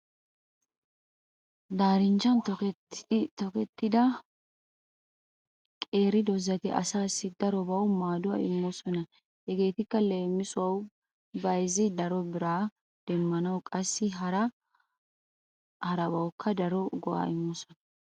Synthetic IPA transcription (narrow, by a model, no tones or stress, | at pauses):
d̪aːɾɪnt͡ʃːɐnt̪ɔ | t̪ɔkɛt̪ːɪd̪ɐ | kʼe̞ːɾɪd̪ɔzːɐt̪ɪʔɐ̰saːsːɪd̪ɐɾɔbɐwmaːd̪ʊɐɪmːɔsɔnɐ | hɛɡe̞ːt̪ɪkːɐleːmːɪsʊwɐw | bɐjzɪd̪ɐɾɔbɪɾaː | d̪̥ɛmːɐnɐwkʼɐsːɪɦɐɾɐ | hɐɾɐbɐwkʰːɐd̪ɐɾɔɡɔʔa̰ɪmːɔsɔnɐ